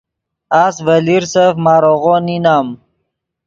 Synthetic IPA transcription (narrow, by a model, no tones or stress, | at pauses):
aːsvəliɾsefmaːɾoɣoninaːm